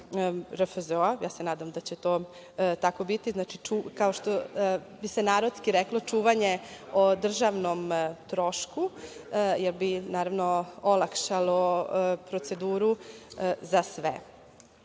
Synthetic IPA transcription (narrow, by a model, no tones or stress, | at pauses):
ɾəfəzoajaːsenaːd̪amd̪at͡ɕet̪oː | t̪ako̞bit̪iznaːt͡ʃit͡ʃukaoʃt̪o | bisenaːɾod̪skiɾeklo̞t͡ʃuːʋaɲeod̪r̩ʒaʋnomt̪ɾo̞ʃku | jelbinaːɾaʋnoolˠakʃalopɾot̪se̞d̪uːɾu | zasʋḛ